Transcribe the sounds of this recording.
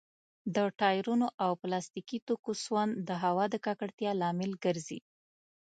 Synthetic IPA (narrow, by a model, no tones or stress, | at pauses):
d̪əʈɑjɾunoʔawplɑst̪ikit̪okoswand̪əɦawɑd̪əkakaɽt̪jɑlɑmɪlɡəɾzḭ